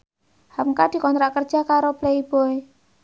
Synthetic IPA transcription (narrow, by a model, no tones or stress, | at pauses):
hamkad̪̥i̤kɔnt̪ɾaʔkər̥ʒ̥a̤kaɾopleib̥oe